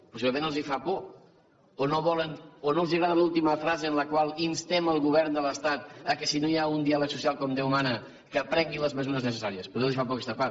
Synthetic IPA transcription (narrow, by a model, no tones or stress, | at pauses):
pusiβləmẽnəlˠzifapɔ | onoβɔlənonolˠziɣɾaðəlulˠt̪iməfɾazəənləkwalˠinst̪eməlˠɣuβɛɾnd̪ələst̪at̪̚əkɛsinojaund̪ialəksusijalˠkɔmd̪ewmanə | kəpɾɛŋɡiləzməzuɾəznəs̬əsaɾiəspɾuðelˠzifap̬ɔkɛst̪apa